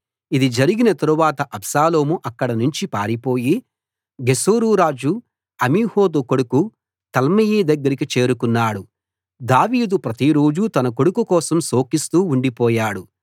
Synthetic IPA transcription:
id̪id͡ʒɐɾiɡinɐt̪ɐɾuʋaːt̪ɐʔɐbsaːlo̞ːmuʔɐkːɐɽɐnuɲt͡ʃipaːɾipo̞ːji | ɡesoːɾuːɾaːd͡ʒu | ɐmiːhoːd̪ukoɽuku | t̪ɐlmɐjiːd̪ɐɡːɐɾikit͡ʃe̞ːɾukunːaːɽu | d̪aːʋiːd̪upɾɐt̪iɾo̞ːd͡ʒut̪ɐnɐkoɽukukɔːsɐmso̞ːkist̪uːuɳɖipɔːjaːɽu

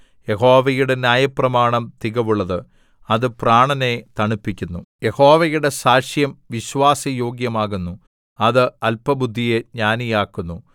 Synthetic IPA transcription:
je̞ɦo̞ːʋɐjuɽe̞njaːjɐprɐmaːɳɐmt̪iɣɐʋuɭːɐðɨ | ɐðɨpraːɳɐne̞t̪ɐɳipːikʲːunːuje̞ho̞ːʋɐjuɽe̞saːʂjɐmʋiɕʋaːsɐjo̞ːɡjɐmaːɣunːu | ɐðɨɐlpɐbud̪ʱːijeɲaːnijaːkːunːu

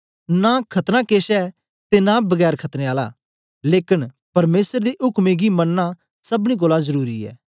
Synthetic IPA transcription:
nãkʰɐt̪nãːkeːsɛː | t̪enãbɐɡɛːɾkʰɐt̪neːaːla̰ː | leːkɪn | pɐɾmeːsəɾd̪eʔʊkmeɡimɐnːa | sɐbñĩk̬oːlazɐɾuːɾiɛ̰ː

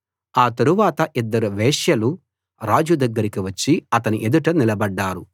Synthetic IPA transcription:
aːt̪ɐɾuʋaːt̪ɐʔid̪ːɐɾuʋɛːʂjɐlu | ɾaːd͡ʒud̪ɐɡːɐɾikiʋɐt͡ʃːiɐt̪ɐniʔed̪uʈɐnilɐbɐɖːaːɾu

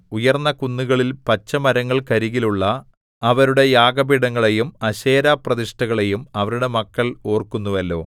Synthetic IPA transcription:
ujɐrnːɐkunːuɣɐɭilpɐt͡ɕːɐmɐɾɐŋːɐɭkɐɾiɣiluɭːɐː | ʋɐɾuɽe̞jaːɡɐbiɽɐŋːɐɭe̞jumɐɕe̞ːɾaːprɐðiʂʈɐɣɐɭe̞jumɐʋɐɾuɽe̞mɐkːɐlo̞ːrkunːuʋɐlːo̞̰ː

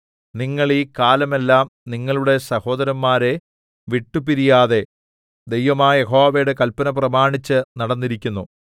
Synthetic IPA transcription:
niŋːɐɭiːkaːlɐme̞lːaːmniŋːɐɭuɽe̞sɐho̞ːd̪ɐɾɐmːaːɾe̞ | ʋiʈːupiɾijaːðe̞ | d̪e̞jʋɐmaːje̞ɦo̞ːʋejɽekɐlpɐnɐp̬rɐmaːɳit͡ɕːɨnɐɽɐnːiɾikʲːunːu

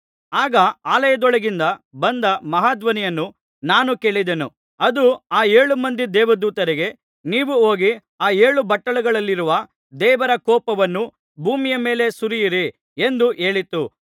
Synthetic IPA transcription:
aːɡɐaːlɐjɐd̪ɔɭɐɡind̪ɐbɐnd̪ɐmɐɦaːd̪ʋɐnijɐnːu | naːnuke̞ːɭid̪e̞nu | ɐd̪uaːe̞ːɭumɐnd̪id̪ɛːʋɐd̪uːt̪ɐɾiɡe̞ | niːʋuo̞ːɡi | aːeːɭubɐʈːɐɭuɡɐɭɐlːiɾuʋɐ | d̪ɛːʋɐɾɐkɔːpɐʋɐnːu | bʱuːmijɐme̞ːle̞suɾijiɾi | end̪uʔe̞ːɭit̪u

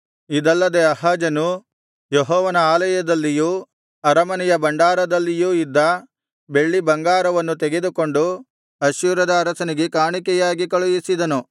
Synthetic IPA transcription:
id̪ɐlːɐd̪e̞ɐɦaːd͡ʒɐnu | jɔɦɔːʋɐnɐaːlɐjɐd̪ɐlːiju | ɐɾɐmɐnɛjɐbɐɳɖaːɾɐd̪ɐlːijuːid̪ːɐ | be̞ɭːibɐŋɡaːɾɐʋɐnːut̪eɡe̞d̪uko̞ɳɖu | ɐʃjuːɾɐd̪ɐːɾɐsɐniɡekaːɳikɛjaːɡikɐɭujisid̪ɐnu

